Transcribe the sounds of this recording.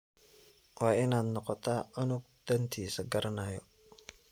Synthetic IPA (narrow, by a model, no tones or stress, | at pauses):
waːɪnaːd̪nɔqɔt̪ʰaʔɐnʊɡ̚ | d̪̥ɐnt̪ʰiːsɐɡɐɾɐnaːjɔ